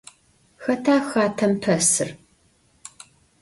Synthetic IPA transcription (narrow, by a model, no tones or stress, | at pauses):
xɐtʰaːxaːtʰɐmpʰɐsɨr